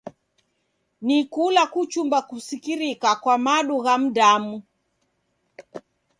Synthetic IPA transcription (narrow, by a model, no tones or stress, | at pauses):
nikulakut͡ʃumbakusikiɾikakwamaɗuɣam̩ɗamu